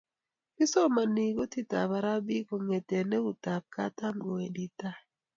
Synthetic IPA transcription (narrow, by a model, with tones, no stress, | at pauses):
pi˦sɔ˦ma˨ni˨ɡo˦ti˦ta̰˨βa˨ɾa˦bi˦ko˨ŋe˨te˨ne˦u˨ta˨b̚ka˦ta˦ŋɡo˨e˨di˦ta˦